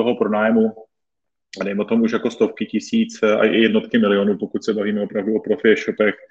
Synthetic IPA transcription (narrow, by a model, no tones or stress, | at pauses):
oɦopɾonaːjmu | adɛjmɛot̪o̞muʃjako̞st̪o̞fkɪcɪsiːt͡sa̰ʔɪ̰jɛdno̞t̪kɪmɪlɪonuːpokucsɛbaviːmɛo̞pɾavduopɾofɪɛʃopɛx